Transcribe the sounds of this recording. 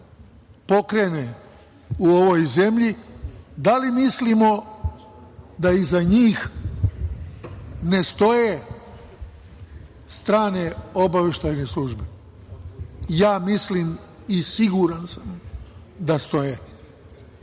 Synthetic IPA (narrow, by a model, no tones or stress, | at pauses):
po̞kɾene | uo̞ʋojze̞mʎid̪alimislimo̞ | d̪aizaɲiːx | ne̞st̪o̞je | st̪ɾaːne̞o̞baʋje̞ʃt̪ajnesluːʒbe | jaːmisliːm | isiɡuɾansam | d̪ast̪o̞je